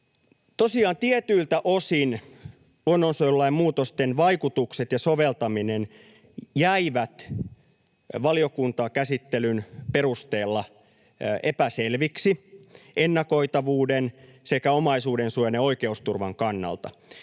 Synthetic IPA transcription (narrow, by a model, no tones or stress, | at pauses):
t̪osiɑːnt̪iet̪yːlt̪æʔosin | ononsoolːɑimmuːt̪ost̪enʋɑikut̪ukset̪jɑsoʋelt̪ɑminen | jæiʋæt̪ | ʋɑliokunt̪ɑkæsit̪ːelynperust̪eːlːɑ | ʔepæselʋiksienːɑkoit̪ɑʋuːdensekæomɑisuːdensujɑneoikeust̪urʋɑŋkɑnːɑ̰lt̪ɑ̰